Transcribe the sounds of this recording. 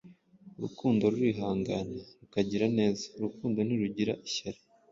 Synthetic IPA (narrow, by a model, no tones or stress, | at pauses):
ɾukuːndo̞ɾuɾiːɦaːŋɡaneɾukaɟiɾane̞ːzḁɾukuːndo̞niɾuɟiɾaʔiçaɾe